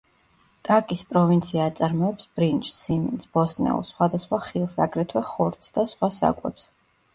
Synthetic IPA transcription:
t̪ʼakʼispʼɾɔvint̪sʰiaːt̪sʼaɾmɔɛpsb̥ɾind͡ʒsimḭnsbɔst̪ʼnɛ̰ṵlˠsχwad̪asχwaχilˠsaɡɾɛt̪ʰwɛχɔɾt̪sʰd̪asχwasa̰kʼwɛ̰ps

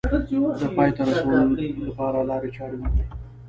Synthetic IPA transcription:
d̪əpɑjt̪aɾasawəld̪əjlapɑɾalɑɾet͡ʃɑɽinki

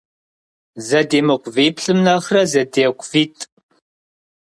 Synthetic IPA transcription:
zɐdeːmɨkʷʰʼviːpɬɨmnɐxrɐzɐdeːkʷʼviːtʼ

